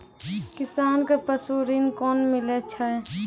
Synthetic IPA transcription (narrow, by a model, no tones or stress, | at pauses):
kɪsaːnkepəsuːɾinkɔːnmɪlet͡ʃʰə